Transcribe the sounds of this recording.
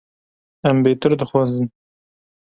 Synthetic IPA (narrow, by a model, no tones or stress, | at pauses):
æmbeːt̪ɨɾd̪ɨxwɑːzɨn